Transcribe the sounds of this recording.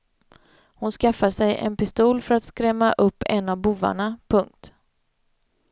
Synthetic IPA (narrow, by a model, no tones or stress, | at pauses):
hʊnskafasɛjɛ̰npɪst̪uːlfœɾat̪skɾɛmːaʔɵpːɛnavbuva̰ɳapʰɵŋk̚t̪